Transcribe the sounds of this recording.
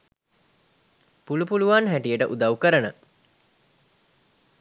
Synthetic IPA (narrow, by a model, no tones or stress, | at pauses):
pulupuluʋanɦæʈijəʈəʔud̪aʋukəɾənə